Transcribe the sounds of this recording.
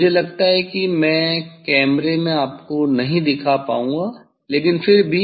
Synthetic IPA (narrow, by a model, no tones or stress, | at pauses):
d͡ʒʱelɐɡt̪aɦɛkimɛ̃ːkɛːmɾemẽaːpkonɐɦĩd̪ɪkʰapa̰ːũŋɡaː | leːkɪnfɪɾbʱi